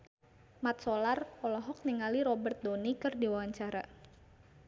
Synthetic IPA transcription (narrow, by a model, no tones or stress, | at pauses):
mat̪̚sɔlarɔlɔɦɔk̚niŋaliɾɔbərt̪̚donikɨrdiwawaɲt͡ʃaɾa